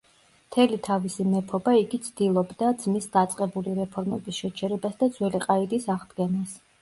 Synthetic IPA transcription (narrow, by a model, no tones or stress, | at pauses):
mt̪ʰɛlit̪ʰavisimɛpʰɔbaiɡit̪sʰd̪ilˠɔbd̪ad̪z̥misd̪at̪sʼqʼɛbuliɾɛpʰɔɾmɛbisʃɛt͡ʃʰɛɾɛbasd̪ad̪zwɛliqʼaid̪isaʁd̪ɡɛnas